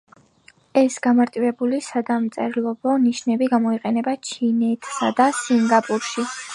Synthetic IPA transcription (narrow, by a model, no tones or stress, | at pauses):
ɛsɡ̥amaɾt̪ʼivɛbulisad̪amt̪sʼɛɾlˠɔbɔniʃnɛbiɡamɔiqʼɛnɛbat͡ʃʰinɛt̪ʰsa̰d̪asiŋɡapʼuɾʃi